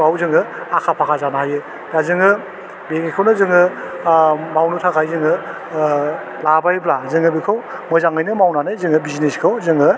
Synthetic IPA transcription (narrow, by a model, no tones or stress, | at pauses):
awzɯŋɯakʰapʰakʰazanaɦajɯ | dazɯŋɯ | beŋikʰawnɯzɯŋɯ | mawnɯtʰakʰajzɯŋɯ | labajblazɯŋɯbikʰaw | mɯjzaŋɯjnɯmawnanɯjzɯŋɯbizneskʰawzɯŋɯ